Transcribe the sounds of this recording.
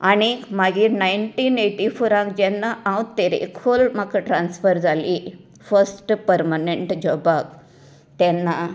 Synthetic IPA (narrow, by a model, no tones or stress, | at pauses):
aɽ̃imaɡinajɳʈiːneʈifoɾãŋkd͡ʑɛnːaʔãwt̪eɾḛkolmakaʈɾãnsfəɾd͡zʱali | fəɾsʈpəɾmaneɳʈd͡ʑɔbak | t̪ɛnːa